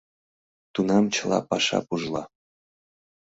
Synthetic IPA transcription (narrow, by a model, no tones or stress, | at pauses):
t̪unɑmt͡ɕəlˠɑ̰pɑʃɑ̰puʒlˠɑ̰